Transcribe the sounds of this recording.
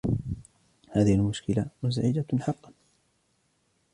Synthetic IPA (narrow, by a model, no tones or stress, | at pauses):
haːðɪhalmʊʃkɪlamʊz̬aʕɪd͡ʒaħɑqːɑ